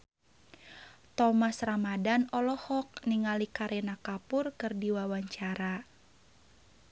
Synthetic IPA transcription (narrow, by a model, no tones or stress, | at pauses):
t̪ɔmasramadanɔlɔhɔk̚niŋalikaɾʔenakapʊrkɨrdiwawaɲt͡ʃaɾa